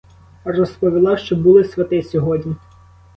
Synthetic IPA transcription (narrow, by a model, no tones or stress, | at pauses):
rɔspɔʋʲilˠɑʃt͡ʃɔbulˠɪsʲʋʲɐt̪ɪsʲɔɦɔdʲnʲi